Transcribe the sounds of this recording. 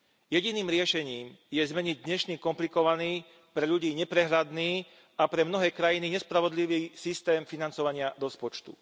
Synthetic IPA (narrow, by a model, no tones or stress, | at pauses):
jɛɟiniːmɾɪɛʃɛɲiːmjɛzmɛɲiɟ̚d̪ɲɛʃniːkɔmplikɔʋaniː | pɾɛʎuɟiːɲɛpɾɛɦɾad̪niː | apɾɛmnɔɦɛːkɾajiniɲɛspɾaʋɔd̪liʋiːsist̪ɛːmfinant͡sɔʋaɲɪaɾɔspɔt͡ʃt̪ṵ